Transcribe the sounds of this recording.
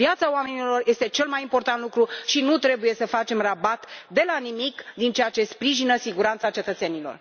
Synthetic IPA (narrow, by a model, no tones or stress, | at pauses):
vjat̪saoame̞nilo̞rje̞st̪e̞t͡ʃe̞lmajimpo̞rt̪ant̪lukɾuʃinut̪ɾe̞buje̞səfat͡ʃe̞mrabat̪d̪e̞lanimikd̪int͡ʃeat͡ʃe̞spɾiʒinəsiɡuɾant̪sat͡ʃe̞t̪ət̪senilor